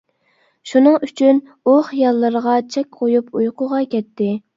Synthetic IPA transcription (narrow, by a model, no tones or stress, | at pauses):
ʃunɨŋyt͡ʃʰyn | uχijɑlˠːəɾəʁɑt͡ʃʰɛkʲqʰojupʰujqʰʊʁɑkʲʰɛt̪ːɪ